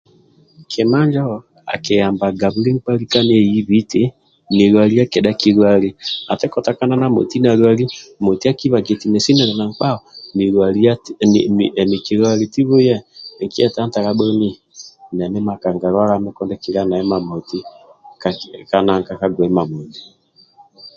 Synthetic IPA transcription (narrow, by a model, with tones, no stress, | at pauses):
kʰe˨ma˦ɲd͡ʒa˦ɔ˨ | a̰˨ke˨jaː˨mba˨ɡa˨βu˦li˦ŋk͡pa˦ɾi˦ka˦ne˦ɛ˦˨ji˦βi˦te˦ | ni˨ɾwa˨ɾi˦a˦ke˨da˦ki˨ɾwa˨ɾi˨a˨tɛ˦kɔ˨ta˨ka˦na˦na˨mo̰˨ti˦na˨ɾwa˦ɾi˦mo˨ti˦a˦ki˦βa˨ɡe˨ti˨me˨si˦nɛ˨nɛ˨na˨ŋk͡pa˦ɔni˨ɾwa˨i˦a˦˨ | mi˨ki˨ɾwa˨ɾe˨ti˦βo˦jɛ˦˨ŋki˦ɛ˦ta˦nta˨ɣa˦bɔ˦ni˦ | nɛ˨nɛ˦ma˨ka˨ŋɡa˨ɾwa˦ɣa˦me˦kɔ˦ndɛ˦ki˦ɾa˦na˨ɛ˦ma˨mo˨ti˦kaka˦na˨˦ŋka˦ka˦ɡwɛ˨˦ma˨mo˨ni˨